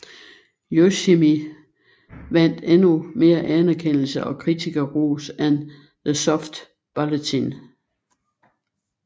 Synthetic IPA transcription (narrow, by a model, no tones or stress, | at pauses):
joɕimi | ʋæn̰d̥enume̝ːɐʔænæɐkʰen̰l̩səʔɒ̽kʰʁit͡sʰiɡ̥ɐʁoːsæn | ðəsɒfd̥ | b̥ɑlət͡sʰin